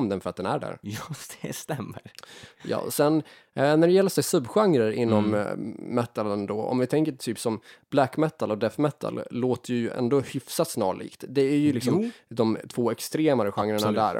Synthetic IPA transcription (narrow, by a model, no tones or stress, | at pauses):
md̪ɛnfœɾat̪̚d̪ɛnæ̰ɖæ̰ɾjd̪̥ɛst̪ɛmːəɾjɑ̰ːsɛn | næɖɛjɛlːəʂɛjsɵbɧaŋɾəɾɪnːɔmː | ɛt̪ːalənd̪ɔɔ̰mvɪt̪ʰɛŋkəʈ̪ʰyːpsɔmb̥lɛkmɛt̪ːalɔd̪ɛfmɛt̪ʰːa̰lːoːt̪əjɵjɵʔɛ̰nd̪oːhʏfsat̪snɑːɭḭːkt̪d̪ɛæɾjɵlɪksɔmd̪ɔmt̪ʰv̥oːɛkst̪ɾeːmaɾəɧaŋːɾəɳad̪æ̰ːɾ